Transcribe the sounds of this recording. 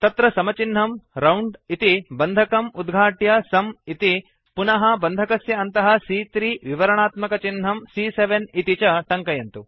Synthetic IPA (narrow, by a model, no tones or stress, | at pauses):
t̪ɐt̪ɾɐsɐmɐt͡ʃin̤ːɐmɾɐwɳɖit̪ibɐnd̪ʱɐkɐmud̪ɡʱaːʈjɐsɐmit̪i | punɐɦɐbɐnd̪ʱɐkɐsjɐːnt̪ɐɦɐsiːt̪ɾiːʋiʋɐɾɐɳaːt̪mɐkɐt͡ʃinɦɐmsiːseʋenit̪it͡ʃɐʈɐŋkɐjɐnt̪u